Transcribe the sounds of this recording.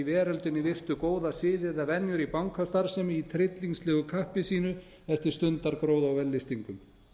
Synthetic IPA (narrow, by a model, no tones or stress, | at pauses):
ivɛːɾalt̪ɪnːɪvɪr̥t̪ʏkoːwðasɪːðɪðavɛnjʏɾipawŋkʰast̪aɾ̥sɛmit̪ʰɾɪt̪liŋslɛːɣʏkʰahpɪsiːnʏ | ɛft̪ɪ̥st̪ʏnt̪aɾkɾoːwðawvɛlːɪst̪iŋkʏm